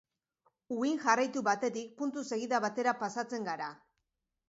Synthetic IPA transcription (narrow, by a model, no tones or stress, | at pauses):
uiŋʝarajt̪uβat̪e̞t̪ik̚punt̪use̞ɣ̞iðaβat̪e̞ɾapasat͡se̞ŋɡaɾa